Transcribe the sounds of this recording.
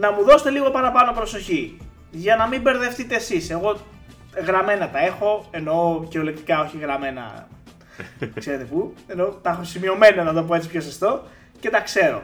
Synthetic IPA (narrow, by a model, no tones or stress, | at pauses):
nɐmuðo̞set̪e̞liɣo̞pɐnɐpɐno̞pɾo̞so̞çi | ʝɐnɐmibe̞ɾðe̞ft̪it̪e̞ːsise̞ɣo̞ | ɣɾɐme̞nɐt̪ɐe̞xo̞e̞no̞ceolekt̪i̥kɐo̞çiɣɾɐme̞nɐ̰ | se̞ɾe̞t̪e̞pue̞no̞t̪ɐxosimio̞me̞nɐnɐðo̞p̬oe̞t͡sipçosɐst̪o̞ | ce̞t̪ɐkse̞ɾo̞̰